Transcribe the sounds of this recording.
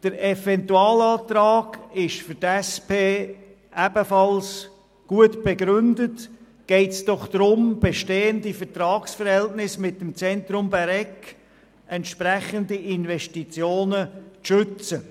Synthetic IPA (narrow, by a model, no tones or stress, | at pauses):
d̥əɾɛfɛntuɑːlɑːtɾaːɡɪʃfʏtɛspʰeː | ʔæb̥əfɑls | ɡ̥uətb̥ɛɡɾʏndət | ɡ̥ɛɪtsd̥ɔχd̪̥ɾʊmb̥ɛʃteːəndifətɾɑːksfəɾhɛltnɪsmɪt̚ːɛmt͡sɛntɾʊmbæɾɛk | ɛntʃpɾɛχəndiʔɪnvɛstit͡sjoːnət͡sʃʏt͡sə